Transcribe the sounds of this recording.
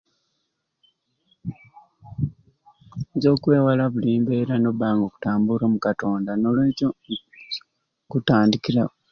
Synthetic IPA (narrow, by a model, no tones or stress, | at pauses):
zo̞ːkwe̞ːwalaβuliːmbeɾano̞βaːŋɡo̞ku̥taːmbuɾo̞ːmukato̞ːndano̞lweːco | kutaːndikiɾa